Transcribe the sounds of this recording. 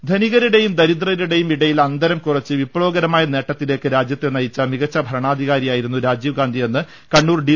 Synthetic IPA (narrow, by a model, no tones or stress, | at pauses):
d̪ʱɐniɣɐɾiɽe̞jumd̪ɐɾid̪rɐjɐliɽe̞jumiɽɐjilɐnd̪ɐɾɐmkurɐt͡ɕːɨʋipːɭoːɡɐɾɐmaːjɐne̞ːʈːɐt̪ːile̞ːkːɨɾaːd͡ʑjɐt̪ːenɐjit͡ɕːɐmiɣɐt͡ɕːɐbʱɐɾɐɳaːd̪ʱiɣaːɾijaːjiɾunːuɾaːd͡ʑiːʋɡaːnd̪ʱije̞nːɨ | kɐɳːuːrɖi